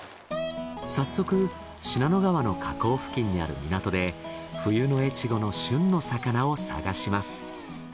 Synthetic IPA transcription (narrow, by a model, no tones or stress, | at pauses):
sasːo̞kɯ̟ | ɕinano̞ɡaβano̞kʰako̞ːɸɯ̟̥kʲĩɲ̟ːia̰ɾɯ̟̰mʲinat̪o̞d̪e̞ | ɸɯ̟jɯ̟no̞e̞t͡ɕiɡo̞no̞ɕɨ̃nːo̞sakanao̞sa̰ɡaɕimasɨ̥